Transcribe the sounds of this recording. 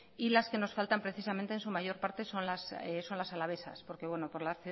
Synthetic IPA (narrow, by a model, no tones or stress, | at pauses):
ilaske̞no̞sfalt̪ampɾe̞θisamẽnt̪eːnsumaʝo̞ɾpaɾt̪e̞so̞nlaseso̞nlasalaβ̞e̞sa̰spo̞ɾke̞βwe̞no̞po̞ɾlasθju